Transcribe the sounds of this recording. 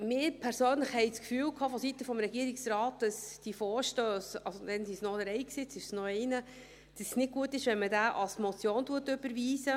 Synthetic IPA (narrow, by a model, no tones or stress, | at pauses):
mɪːɾpʰæɾsøːnləχhɛɪt͡skfyːlkʰɑːfɔsitəfɔmɾɛɡiəɾɪksɾɑːt̚d̥ɑsd̥ifɔːɾʃtøːsɑlsod̥ɛnsisnɔdəɾɛjksɪt͡sɪʃsnɔɛɪnə | d̥ɑssnɪt̚ɡ̥uətɪʃʋɛnmədæːʔɑlsmɔt͡sjoːntuətʏb̥əɾviːzə